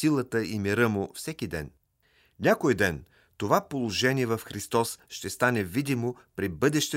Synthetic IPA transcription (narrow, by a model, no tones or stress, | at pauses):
ilˠət̪əimiɾəmʊfsɛkid̪ɛ̰n | nʲakojd̪ɛn | t̪ovapolˠoʒɛnʲiɛvɐfxɾist̪ɔsʃt̪ɛst̪anɛvid̪imopɾibɤd̪ɛʃt̪ɛ